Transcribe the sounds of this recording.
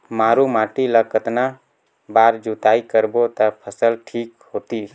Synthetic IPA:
maːɾumaːʈiləkət̪na | baːɾd͡ʒut̪aːikəɾbot̪apʰəsəlʈʰiːkhot̪i

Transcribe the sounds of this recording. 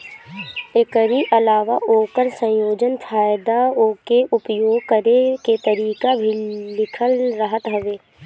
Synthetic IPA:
ekəɾiʔɐlaːʋaʔoːkəɾsə̃joːd͡ʒənfʰaːjd̪aoːkeʔʊpjoːɡkəɾeket̪əɾiːkabʱilɪkʰəlɾəɦət̪ɦɐʋeː

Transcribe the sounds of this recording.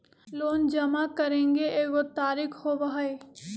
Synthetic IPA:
loːnd͡ʒɐmakɐɾẽːŋɡeeːɡot̪aːɾɪkʰhoːʋaɦe

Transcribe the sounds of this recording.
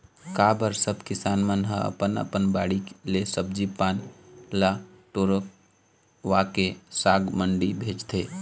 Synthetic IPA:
kaːbəɾsəbʱkɪsaːnmənɦəə̰pənə̰pənbaːɽiklesəb̚d͡ʒipaːnla | ʈoːɾək̚ | ʋakesaːɡməɳɖibʱeːd͡ʒt̪ʰeː

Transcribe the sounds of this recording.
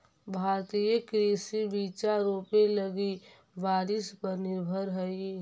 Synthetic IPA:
bʱaːɾt̪ijəkɾeːsibiːt͡ʃaɾupeləɡi | baːɾɪspəɾnɪɾbʱəɾɦəi

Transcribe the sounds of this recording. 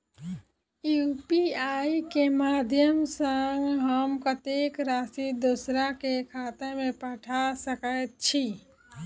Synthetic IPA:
jupiaːikemaːd̪ʱjəmsəŋɡɦəmkət̪ekɾaːsid̪usɾakekʰaːt̪emẽpəʈʰasəkət̪̚t͡ʃʰi

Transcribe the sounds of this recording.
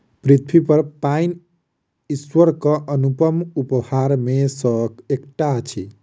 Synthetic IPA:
pɾit̪ʰwipəɾpain | iswəɾkʌʔənupəmupəhaɾmesəkekʈat͡ʃʰḭ

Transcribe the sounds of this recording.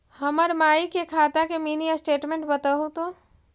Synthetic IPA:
həməɾmaːikekʰaːt̪akemiːnijasʈeːʈmẽɳʈbɐt̪aɦut̪õ

